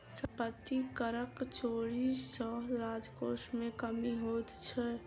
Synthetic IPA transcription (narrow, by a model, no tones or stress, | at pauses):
səpət̪ːikəɾəkt͡ʃoɾisə̃ɾad͡ʒkosmekəmiɦot̪t͡ʃʰɛ